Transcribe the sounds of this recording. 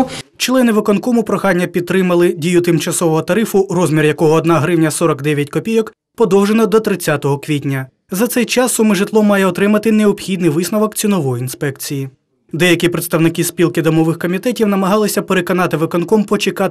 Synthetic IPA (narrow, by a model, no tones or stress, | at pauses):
t͡ʃlˠɛnɪʋɪkɔnkɔmʊpɾɔxɑnʲːɐpʲid̪̚t̪ɾɪmɐlˠɪdʲijʊt̪ɪmt͡ʃɐsɔʋɔɦɔt̪ɐɾɪfʊrɔzmʲirjɐkɔɦɔːd̪nɑɦɾɪwnʲɐsɔɾɔkd̪ɛʋʲjɐtʲkɔpʲijɔk | pɔd̪ɔwʒenɔd̪ɔt̪ɾɪt͡sʲːat̪ɔɦɔkʋʲitʲnʲɐ | zɐt̪sɛjt͡ʃɑsːʊmɪʒɪt̪lˠɔmːɑjɛɔt̪ɾɪmɐt̪ɪneɔpxʲid̪nɪjʋɪsnɔʋɔkt͡sʲinɔʋɔjʊinspɛkt͡sʲiji | d̪ɛjɐkʲipɾet̪st̪ɐwnɪkispʲilˠkɪd̪ɔmɔʋɪxkɔmʲit̪ɛtʲiwnɐmɐɦɑlˠɪsʲɐpeɾekɔnɑt̪ɪʋɪkɔnkɔmpɔt͡ʃɪkɑ